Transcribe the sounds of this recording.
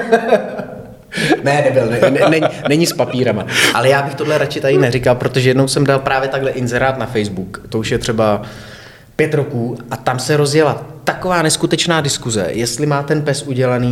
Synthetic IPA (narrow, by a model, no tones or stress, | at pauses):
nɛnɛbɪlnɛnɛnɛɲnɛɲɪspapiːɾamaʔalɛjaːbɪxt̪o̞dlɛɾat͡ʃɪt̪adɪnɛrɪkalpɾo̞t̪o̞ʒɛjɛdnowsɛmdalpɾʔaːvjɛt̪aɡɦlɛʔɪnzɛɾaːt̪nafɛjzbukt̪o̞uʃjɛt̪r̥ɛba | pjɛt̪ɾokuːʔat̪amsɛɾo̞zjɛlat̪akovaːnɛskut̪ɛt͡ʃnaːdɪskuzɛ̰jɛst̪lɪmaːt̪ɛnpɛsʔuɟɛlaniː